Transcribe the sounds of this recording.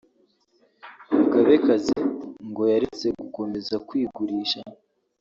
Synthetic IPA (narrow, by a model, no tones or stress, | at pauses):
ukaβe̞kazeŋɡo̞jaɾet͡se̞ɡuko̞me̞zakwiːɡuɾiːʃa